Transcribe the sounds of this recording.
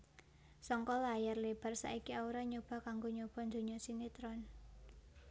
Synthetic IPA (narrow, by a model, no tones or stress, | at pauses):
sɔŋkɔlajarleb̥a̤rsa̰ikiauɾaɲob̥a̤kaŋɡoɲob̥a̤nd̪o̤ɲɔsinit̪ɾɔn